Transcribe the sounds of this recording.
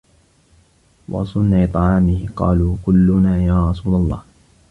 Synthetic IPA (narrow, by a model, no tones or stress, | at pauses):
wɑ̰sˤʊnːat̪ˤɑʕɑːmɪhɪqɑ̰ːluːkʊlːʊnaːjaːɾˤɑsuːlalˤːɑ̰ːh